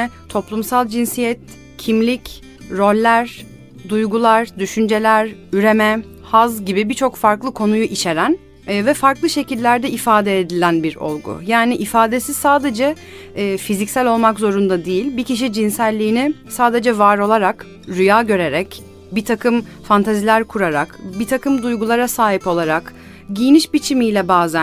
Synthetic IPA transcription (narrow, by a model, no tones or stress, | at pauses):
ɛt̪ʰo̞plˠumsalˠd͡ʒinsijɛt̪ | cʰimlʲic | ɾo̞lʲːæɾ | d̪ujɡulˠaɾd̪yʃynd͡ʒe̞lʲæɾyɾe̞mɛ | hazɟibibit͡ʃʰo̞kfaɾklˠɯkʰo̞nujuʔit͡ʃʰe̞ɾænː | vɛfaɾklˠɯʃe̞cilʲːæɾd̪ɛʔifaːd̪ɛːd̪ilʲænbiɾo̰lˠɡṵjaːniʔifaːd̪e̞si̥saːd̪e̞d͡ʒɛː | fizicsælʲo̞lˠmakzo̞ɾund̪ad̪ijilʲbiciʃ̬id͡ʒinsælʲːiːnɪsaːd̪e̞d͡ʒɛvaɾo̞lˠaɾak | ɾyjaːɟø̞ɾe̞ɾɛc | bit̪ʰakʰɯm | fant̪ʰazilʲæɾkʰuɾaɾa̰kbit̪ʰakɯmd̪ujɡulˠaɾasaːɦipo̞lˠaɾak | ɟijniʃbit͡ʃʰimijlʲɛbaːzæ